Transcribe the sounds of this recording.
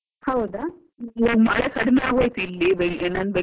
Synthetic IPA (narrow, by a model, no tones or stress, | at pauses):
hɐwd̪a | mɐɭekɐɽɐnaːɡoːjt̪uilːibenaːnbe